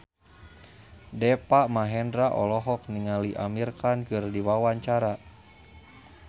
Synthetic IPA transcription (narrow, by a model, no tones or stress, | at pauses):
dɛpaʔmaɦɛndɾaʔɔlɔɦɔk̚niŋaliʔa̰mirkankɨrdiwawaɲt͡ʃaɾa